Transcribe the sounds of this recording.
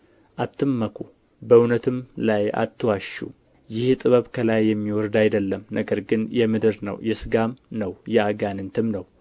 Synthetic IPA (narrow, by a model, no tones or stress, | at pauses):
ʔat̪ʰːɨmːəkʰu | bəuwnət̪ʰɨmlaja̰t̪ːɨwaʃṵ | jɪht̪ʼɨβəβkʰəlajːɛmːiwɔɾd̪ajd̪əlːəmnəɡəɾɡɨnjɛmɨd̪ɨɾnə̰wjɛsɨɡamnəwjɛaɡanɨnt̪ʰɨmnəw